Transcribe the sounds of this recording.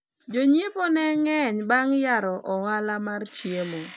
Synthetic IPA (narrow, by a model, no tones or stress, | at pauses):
d͡ʒoɲiponɛŋɛɲbaŋjaɾɔʔɔɣalamart͡ʃjelo